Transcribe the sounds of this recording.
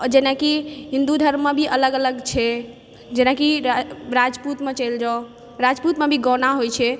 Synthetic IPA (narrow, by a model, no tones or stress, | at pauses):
d͡ʒenakiɦĩnd̪ud̪ʱəɾmːebʱiʔələɡələɡt͡ʃʰɛ | d͡ʒenakiɾad͡ʒput̪met͡ʃəjld͡ʒao | ɾad͡ʒput̪mebʱiɡɔnaɦojt͡ʃʰɛ